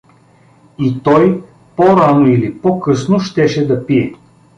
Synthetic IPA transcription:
it̪ɔj | poɾanoilipɔkɤsnoʃt̪ɛʃɛd̪ɐpiɛ

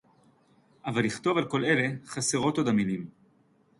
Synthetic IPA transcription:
ʔavalːiχt̪o̞valko̞le̞le̞χaseʁo̞t̪od̪aminim

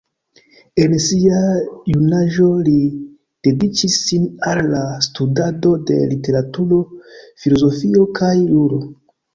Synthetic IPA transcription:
e̞nsiajunaʒo̞li | d̥e̞dit͡ʃisːinalːastudado̞de̞̰lite̞ɾatuɾo̞filo̞zo̞fio̞kʰajluɾo

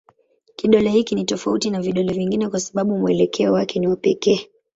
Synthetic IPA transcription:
kiɗɔlɛhikinitɔfautinaviɗɔlɛviŋɡinɛkwasaɓaɓumuɛlɛkʰɛɔwakɛniwapɛkɛː

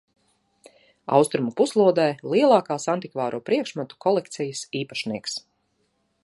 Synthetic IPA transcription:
a̰wst̪ɾumupuslˠuɔd̪ɛːlˠiɛlˠɑːkaːsant̪ikvaːɾʔuːpɾiɛkʃmat̪u̥kʰɔlˠɛkt̪sijəsiːpaʃniɛks

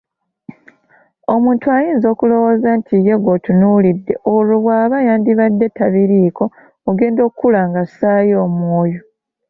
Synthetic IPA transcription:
o̞muːntuajiːnzo̞ːkulo̞wozantʰije̞ɡotunuːlidːe̞ʔoluβwaːβajaːndiβadːe̞tːaβiɾiːko̞ː | ɡe̞ːndo̞ːkukːulaŋɡasaːjo̞ːmwoːjo

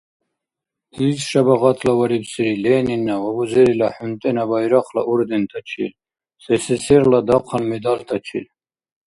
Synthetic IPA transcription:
hizʃabaʁat̪ʰlawaɾibsiɾilɛːninːaʁɔbuzɛɾilaħunt̪ʼɛnabajɾaqʰla̰ʔuɾd̪ɛnt̪ʰat͡ʃʰḭl | sɛsɛsɛɾlad̪aqʰanmɛd̪alt̪ʰat͡ʃʰḭl

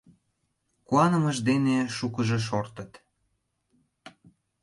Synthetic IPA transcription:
kuɑnə̆məʒd̪eneʃukəʒeʃ̬ort̪ət̪

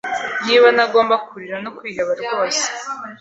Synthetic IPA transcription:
jiːβanaɡo̞ːmbakuɾiɾanokwiːɦaβaɾɾɡo̞ːse̥

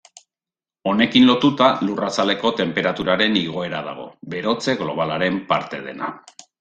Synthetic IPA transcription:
o̞ne̞kinlo̞t̪ut̪alurasale̞ko̞t̪e̞mpe̞ɾat̪uɾaɾe̞niɣ̞o̞e̞ɾað̞a̰ɣ̞o̞̰be̞ɾo̞t͡se̞ɣlo̞β̞alaɾe̞mpaɾt̪e̞ð̞e̞̰na̰

